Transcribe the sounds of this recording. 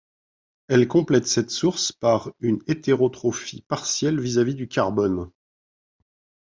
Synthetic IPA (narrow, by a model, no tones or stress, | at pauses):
ɛlkɔ̃plɛt̪sɛt̪suʁspaʁynet̪eʁot̪χɔfipaʁsjɛlvizavid̪ykʲaʁbɔn